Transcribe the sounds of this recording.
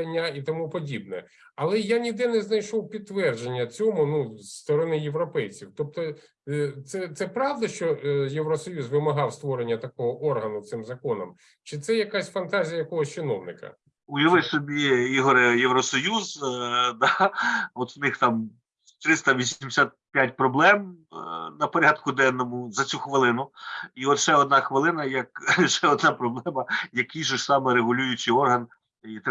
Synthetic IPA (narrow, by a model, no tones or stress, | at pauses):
nʲːɐit̪ɔmupɔdʲib̚nɛ̰ | ɐlˠɛjanʲid̪ɛnɛznɐjʃɔwpʲid̪̚t̪ːʋɛrd͡ʒenʲːɐt͡sʲɔmʊnust̪ɔɾɔnɪjeʋɾɔpɛjt͡sʲiwt̪ɔp̚t̪ɔ | t̪sɛt̪sɛpɾɑwd̪ɐʃt͡ʃɔjewɾɔsɔjuzʋɪmɐɦɑwst̪ʋɔɾenʲːɐt̪ɐkɔɦɔʔɔrɦɐnʊt̪sɪmzɐkɔnɐm | t͡ʃɪt̪sɛjɐkɑsʲfɐnt̪ɑzʲijɐjɐkɔɦɔsʲt͡ʃɪnɔwnɪkɐ̰ | ʊjɔʋɪsɔbʲiiɦɔɾɪjeʋɾɔsɔjuzd̪ɑɔt̪wnɪxt̪ɑm | t̪ɾɪst̪ɐʋʲisʲimd̪ɪsʲat̪̚pʲjatʲpɾɔblˠɛmnɐpɔɾʲɑd̪kʊd̪ɛnːɔmʊzɐt͡sʲuxʋɪlˠɪnʊiɔt̪ʃɛɔd̪̚nɑxʋɪlˠɪnɐjɐkʃɛɔd̪nɑpɾɔblˠɛmɐjɐkijʒʊʃsɑmɛɾeɦʊlʲujʊt͡ʃɪɔrɦɐn | it̪